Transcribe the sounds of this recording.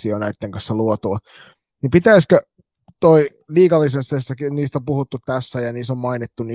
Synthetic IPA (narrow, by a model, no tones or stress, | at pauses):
ionæit̪ːeŋkɑ̃nsːɑluot̪uɑ | nimpit̪æiskø | t̪oi | liːkɑlːisensesːɑkiniːst̪ompuhut̪ːutt̪æsːæjɑniːsommɑinit̪ːuni